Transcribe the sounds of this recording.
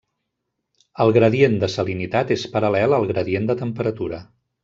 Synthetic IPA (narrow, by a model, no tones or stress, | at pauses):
əlˠɣɾəðiend̪əsəlinit̪at̪espəɾəlɛlˠəlˠɣɾəðiend̪ət̪əmpəɾət̪uɾə